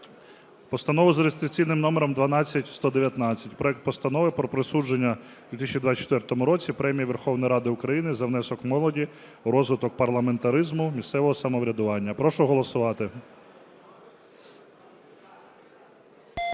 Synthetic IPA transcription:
pɔst̪ɐnɔʋʊzɾest̪ɾt̪ʊ̥t͡sʲijnɪmnɔmeɾɔmd̪ʋɐnɑt͡sʲːɐtʲst̪ɔd̪eʋʲjɐt̪nɑt͡sʲːɐtʲpɾɔɛk̚t̪̚pɔst̪ɐnɔʋɪpɾɔpɾesud͡ʒenʲːɐ | d̪̥ʲʋʲit̪isʲt͡ʃʲid̪ʋat͡ʃɔ̥t̪ʋɛrt̪ɔmʊɾɔt͡sʲipɾɛmʲijɐʋerxɔwnɔjɾɑd̪ɪʊkɾɐjinɪzɐʋn̪ɛsɔkmɔlˠɔdʲi | ɾɔzʋɪt̪ɔkpɐrlˠɐment̪ɐɾɪzmʊmʲist̪sɛʋɔɦɔsɐmɔʋɾʲɐd̪ʊʋɑnʲːɐpɾɔʃʊɦɔlˠɔsʊʋɑt̪ɪ

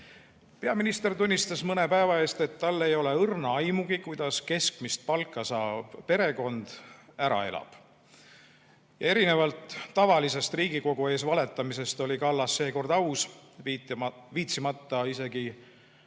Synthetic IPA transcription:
pe̞ɑminist̪e̞rt̪unʲːist̪ɑsmɤne̞pæevɑe̞ːst̪e̞t̪ːɑlːe̞jo̞le̞ɤrnɑɑjmuɡikujd̪̥ɑske̞skmist̪̚pɑlkːˑɑsɑːb̥pe̞ɾe̞ko̞nd̪̥æɾɑ̰e̞̰lɑ̰b̥ | jɑe̞ɾinevɑlt̪ːɑvɑlise̞st̪riːɡ̥iko̞ɡ̥ue̞ːs̬vɑle̞t̪ːˑɑmise̞st̪o̞lʲikɑlːɑsːe̞ːko̞rd̪̥ɑws | viːt̪simɑt̪ːɑise̞ɡ̥i

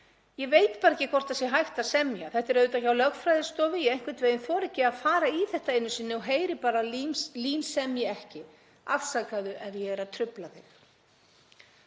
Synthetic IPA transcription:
jɛveːjt̪paːɾɛcːɪkʰɔr̥t̪asjɛɦajht̪asɛmjaθɛht̪ɪɾœɥðʏt̪aːcawlœɣfɾajðɪst̪ɔːvɪjɛejŋkvɪ̥t̪veːjɪnθvɔːɾɛhcɪaðfaːɾaiθɛht̪aejnːʏsɪnːɪwɦeːjɾɪpaːɾaliːnsɛmjɛɛhcɪ | aðsaːkaðʏʔɛðjɛɛɾat̪ʰɾʏplaðɪx

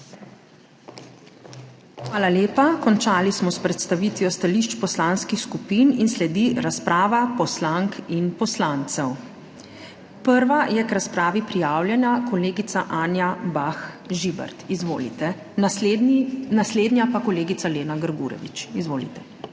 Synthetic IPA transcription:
xʋaːlaleːpakɔnt͡ʃaːlismɔspɾɛt̪st̪aʋit̪ʋjɔst̪aliʃt͡ʃpɔslaːnskixskupininslɛd̪iɾaspɾaːʋapɔslaŋkʰinpɔslaːnt̪sɛw | pəɾʋajɛkɾaspɾaːʋipɾijaːwljɛnjakɔleːɡit̪saʔaːnjabax | ʒibɛ̰ɾt̪izʋoːlḭt̪ɛ | nasleːd̪njapakɔleːɡit̪saleːnaɡəɾɡṵːɾɛ̰ʋḭt͡ʃizʋoːlḭt̪ɛ̥

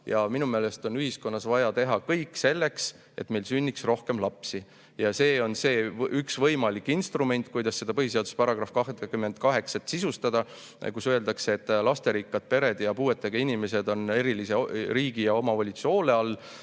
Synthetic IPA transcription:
jɑminume̞ːle̞st̪o̞nyɦisko̞nːɑsvɑjɑt̪e̞ɦɑkɤjkˑːse̞lːe̞ks | e̞̰t̪me̞lsynʲːiksro̞hke̞mlɑpsi | jɑse̞ːo̞nse̞ːʔyksvɤjmɑlikːˑinst̪rume̞nʲt̪̚ˑkujd̪̥ɑsːe̞d̪ɑpɤɦise̞ɑd̪̥uspɑɾɑɡ̥rɑfkɑɦd̪ɑkymːe̞nd̪̥kɑɦe̞ksɑt̪ːsisust̪ɑd̪̥ɑ | kusøe̞ld̪ɑkseːt̪ːˑlɑst̪e̞ɾikːɑd̪̥̚pe̞ɾe̞d̪̥jɑpuːe̞t̪ːˑeɡ̥ɑinime̞se̞d̪o̞ne̞ɾiliseɾiːɡ̥ijɑo̞mɑvɑlʲit̪suo̞ːle̞ɑlː

